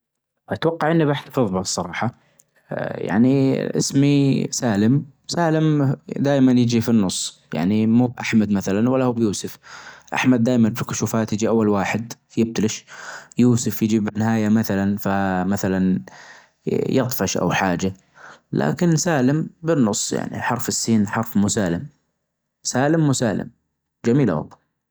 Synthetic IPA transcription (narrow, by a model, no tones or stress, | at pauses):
ʔat̪wɑqːɑʕʔɪnːibaħt̪afɨðˤbasˤːɑɾˤɑːħɑ | ja̰ʕniʔɪ̰smisaːlɪmsaːlɪmd̪aːjmanjɪd͡ʒifinːʊsˤːja̰ʕnimuːbʔa̰ħmad̪maθalanwalːahuːbjuːsʊfʔa̰ħmad̪̚dːaːjmanbfɪkʊʃuːfaːt̪jɪd͡ʒiʔawːalwaːħɪd̪fjɪb̚t̪alɪʃjuːsʊfjɪd͡ʒibɪnːɪɦaːjamaθalanfamaθalan | jɑt̪ˤfɑʃʔa̰wħaːd͡ʒa | lʔa̰ːkɪnsaːlɪmbɪnːʊsˤːja̰ʕnḭħɑɾˤfɪsːiːnħɑɾˤfmuːsaːlɪm | saːlɪmːuːsaːlɪ̰m | d͡ʒamiːla̰wɑ̰lˤːɑ